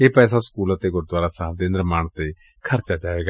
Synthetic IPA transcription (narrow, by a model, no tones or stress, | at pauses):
eːpɛːsaːskuːlət̪eːɡʊɾd̪waːɾaːsaːbd̪eːnɪɾmaːɳt̪eː | kʰəɾt͡ʃaːd͡ʒaːʋeːɡa